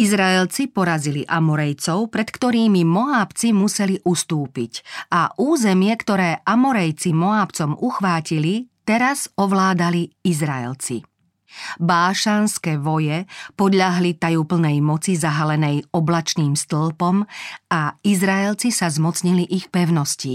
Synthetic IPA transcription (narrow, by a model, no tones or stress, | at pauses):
izɾaɛlt͡sipɔɾaziliʔamɔɾɛjt͡sɔʊpɾɛt̪kt̪ɔɾiːmimɔaːpt͡simusɛliʔust̪uːpicʔaʔuːzɛmɪɛkt̪ɔɾɛːʔamɔɾɛjt͡simɔaːpt͡sɔmuxʋaːcilit̪ɛɾazɔʋlaːd̪aliizɾaɛ̰lt͡sḭ | baːʃaːnskɛːʋɔjɛpɔd̪ʎaɦlit̪ajupl̩nɛjmɔt͡sizaɦalɛnɛjɔblat͡ʃniːmst̪l̩pɔmaizɾaɛlt͡sisazmɔt͡sɲiliʔixpɛʊnɔsci